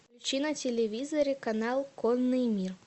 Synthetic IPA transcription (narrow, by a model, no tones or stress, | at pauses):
pɾʲɪt͡ɕinɐt͡sʲelʲevʲizɐɾɨkɐnalˠkɔnːɨmʲir